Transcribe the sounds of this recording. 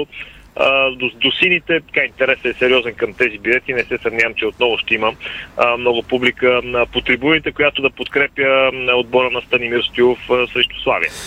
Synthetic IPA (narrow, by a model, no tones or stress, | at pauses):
d̪od̪osinit̪ɛt̪ɐ̥kaint̪ɛɾɛsɛːsɛɾʲiɔzɛnkɐmt̪ɛzibjulɛt̪inɛsɛsɐvnʲavɐmt͡ʃɛot̪nɔvʊʃt̪ɛiməmnɔɡʊpublikəpot̪ɾibunit̪ɛkojat̪od̪ɐpot̪kɾɛpjəod̪̚bɔɾənɐst̪ɐnimiɾst̪iofəsɾɛʃt̪ʊ̥slˠa̰vḭə̰